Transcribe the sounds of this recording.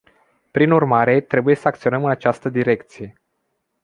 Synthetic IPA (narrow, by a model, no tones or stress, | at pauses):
pɾinurmaɾe̞t̪ɾe̞bujesəakt̪sio̞nəmɨnat͡ʃast̪əd̪iɾe̞k̚t̪sije̞